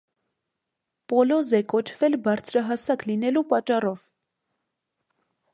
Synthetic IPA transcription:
pɔlɔzɛkɔt͡ʃʰvɛlbɑɾt͡sʰɾɑɦɑsɑklinɛlupɑt͡ʃːɑrɔv̥

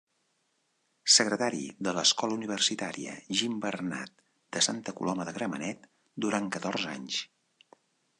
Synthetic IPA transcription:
səɣɾət̪aɾḭðələskɔləuniβ̞ərsit̪aɾḭə̰ʒimbərna̰t̪̚ | d̪̥əsant̪əkṵlʔɔməðəɣɾəmənɛt̪ | d̪uɾaŋkət̪ɔrza̰ɲs

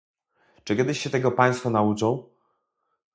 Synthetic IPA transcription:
t͡ʂɨkʲjɛd̪ɘɕɕɛt̪ɛɡɔpaj̃st̪fɔnaut͡ʂɔ̃w̃

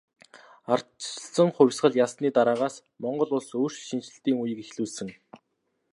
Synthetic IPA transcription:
ar̥t͡ɕɮsə̆ŋχʊwʲsɢə̆ɮjasniːt̪aɾaːʁaːs | mɔɴɢɞ̆ɮʊɮsoːr̥t͡ɕʃint͡ɕɪ̆ɬt̪iːŋujɘ̆kixɮuːsɘ̆ŋ

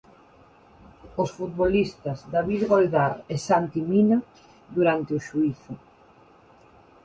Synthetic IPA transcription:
osfut̪̚βolist̪ɐzd̪aβiðɣold̪aɾesant̪imina | ðuɾant̪eoʃuiθʊ

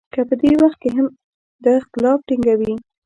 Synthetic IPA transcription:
kəpəd̪ewaxt̪̚keɦam | d̪əɪxt̪ɪlɑfʈiŋɡawi

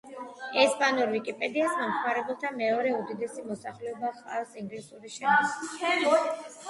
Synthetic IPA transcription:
ɛspʼanɔɾvikʼipʼɛd̪iasmamʰmaɾɛbɛlˠt̪ʰamɛɔɾɛud̪id̪ɛsimɔsaχlɛɔbaχa̰lsiŋɡlisuɾiʃɛ

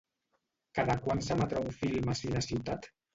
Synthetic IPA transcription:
kaðakwansamat̪ɾɔwfilmasinasiwt̪at̪

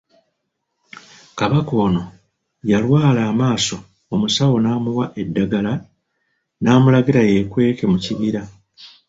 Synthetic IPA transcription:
kaβako̞ːno̞ | jalwaːlaːmaːso̞ | omusawo̞naːmuwaʔe̞dːaɡala | naːmulaɡiɾaje̞kwe̞ːke̞muciβiɾa

